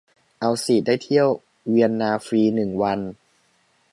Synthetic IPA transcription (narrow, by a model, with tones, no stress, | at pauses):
ʔa˧wsiː˨˩t̚daː˥˩jt̪ʰi˥˩əw | wi˧ənːaː˧fɾiː˧nɯ˨˩ŋwa˧n